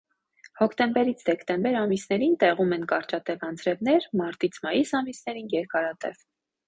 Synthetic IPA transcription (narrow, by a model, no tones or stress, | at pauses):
hɔkʰt̪ɛmbɛɾit͡sʰd̪ɛkt̪ɛmbɛɾɑmisnɛɾint̪ɛʁumɛnkɑɾt͡ʃɑt̪ɛvɑnt͡sɾɛvn̪ɛɾmɑɾt̪it͡sʰmɑjisɑmisnɛɾinjɛɾkɑɾɑt̪ɛv